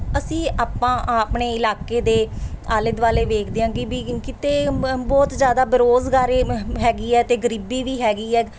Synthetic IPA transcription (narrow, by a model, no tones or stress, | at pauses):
əsĩːʔaːpːãːpɳeːɪlaːkeːd̪eːaːləd̪ʋaːleːʋeːkʰd̪eãːɡiːbiːkɪt̪eːbɔːt̪zjaːd̪aːbəɾoːzɡaːɾeːɦɛːɡiːɛːt̪eːɡəɾiːbiːʋiːɦɛːɡiːɛː